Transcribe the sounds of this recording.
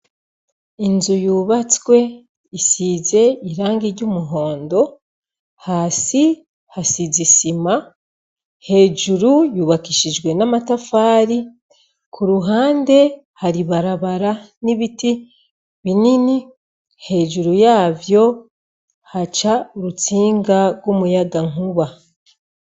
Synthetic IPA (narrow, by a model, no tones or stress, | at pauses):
inzujuːβat͡swe̞ | isize̞iɾaːŋɡiɾɟumuɦo̞ːndo̞ | haːsi | hasizisima | he̞ːʒuɾujuːβakiʃid͡ʒɡwe̞namatafaːɾi | kʰuɾuɦaːnde̞ | haɾiβaɾaβaɾa | niβiti | βinini | he̞ːʒuɾujaːvjo̞ | hat͡ʃauɾut͡siːŋɡaɾɡwomujaɡaŋuβa